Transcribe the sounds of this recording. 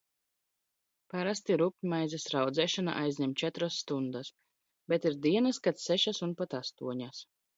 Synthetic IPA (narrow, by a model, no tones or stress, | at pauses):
paɾast̪iɾupʲɲʲmajzɛsɾawd̪zɛːʃɔna̰ʔajzʲɲʲɛmt͡ʃɛt̪ɾasːt̪und̪as | bɛt̪iɾd̪iɛnaskat̪sɛʃasunpat̪ast̪uɔɲas